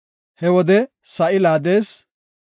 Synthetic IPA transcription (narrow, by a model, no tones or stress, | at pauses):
hɛwɔd̪ɛ | sɐʔɪlaːd̪e̞ːs